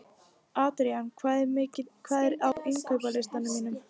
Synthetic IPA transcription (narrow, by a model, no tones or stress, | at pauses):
aːt̪ɾiankʰvaːðɛɾmɪːcɪkʰvaːðɛɾawɪŋkʰœwpalɪst̪anːʏmiːnʏm